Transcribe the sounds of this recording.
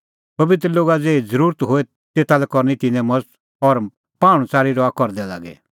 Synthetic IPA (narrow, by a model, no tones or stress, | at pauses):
pɐbɪt̪ɾəloːɡad͡zeːid͡zəɾuːɾt̪ɦoːɛ | t̪eːt̪ʰalɛkɔɾnit̪ɪnɛ̃mɐd͡zt̪ | ɔɾ | paːɽ̃ũt͡saːɾiɾɔakɔɾd̪ɛla̰ːɡɛ̰